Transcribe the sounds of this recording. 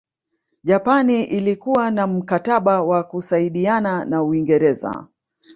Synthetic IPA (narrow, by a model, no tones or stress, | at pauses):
ʄapaniʔilikuwanam̩kataɓawakusaiɗiananauiŋɡɛɾɛza̰